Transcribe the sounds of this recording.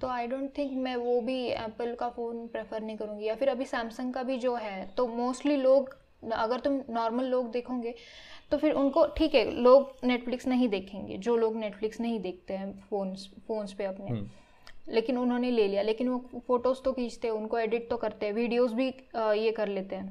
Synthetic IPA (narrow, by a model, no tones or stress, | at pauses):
t̪oːaːɪɖõːɳʈ̚t̪ʰɪ̃ŋkmɛ̃ʋobʱiɛ̰ːpəlkafoːnpɾefəɾnɐɦĩkɐɾũːŋɡijafɪɾɐbʱisɛ̃ːmsə̃ŋɡkabʱid͡ʒoːɦɛːt̪omoːsʈliloːɡ | ɐɡəɾt̪ʊmnɔːɾməlːoːɡd̪eːkʰõːɡe | t̪ofɪɾʔʊnkoʈʰiːkɦɛloːɡneːʈflɪksnɐɦĩd̪eːkʰẽːŋɡḛd͡ʒoːloːɡneːʈflɪksnɐɦĩd̪eːk̚ʰt̪eɦɛ̃foːnsfoːnspeɐpne | leːkɪnʊnɦõːneleːlijaleːkɪnʋofoːʈoːzt̪okiːd͡ʒt̪eɦɛ̃ʊnkoeːɖɪʈ̚t̪okɐɾt̪eɦɛ̃ʋiːɖijoːzbʱijekɐɾleːt̪eɦɛ̃ː